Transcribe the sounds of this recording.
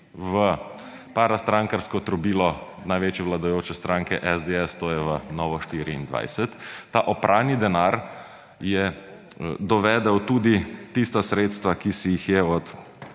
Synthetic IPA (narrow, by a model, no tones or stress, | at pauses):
ʋə | paɾast̪ɾaŋkaɾskɔt̪ɾɔbiːlɔ | najʋeːt͡ʃjɛʋlad̪ɔjoːt͡ʃɛst̪ɾãŋkɛʔɛzd̪eɛst̪oːjɛʋənɔːʋɔʃt̪iːɾḭːnd̪ʋa̰jsɛt̪ːaːʔɔpɾʔaːwnid̪ɛnaɾ | jɛ | d̪ɔʋɛːd̪ɛwt̪uːd̪it̪ist̪asɾeːt̪st̪ʋakisijixjɛɔt̪